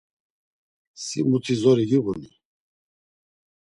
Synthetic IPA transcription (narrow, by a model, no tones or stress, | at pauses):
sḭmut̪ʰizɔɾiɡiɣuni